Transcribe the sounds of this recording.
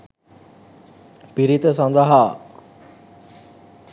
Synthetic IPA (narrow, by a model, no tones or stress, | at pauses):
piɾit̪əsand̪əɦa